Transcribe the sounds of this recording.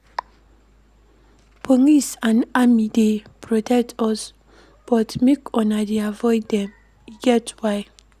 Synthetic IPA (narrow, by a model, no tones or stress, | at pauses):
pʰɔŋisanamidepɾɔtɛtʰɔs | b̥ɔt̪mikɔnadiavɔjdɛm | iɡɛtwaj